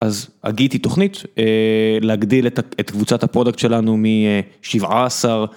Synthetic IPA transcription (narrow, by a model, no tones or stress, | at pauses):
ʔaza̰ɡit̪it̪o̞χnit̪eleaɡd̪iletet̪kvut͡sat̪hapʁo̞dakt̪ʃe̞lanumiʃivʕa̰ːsaʁ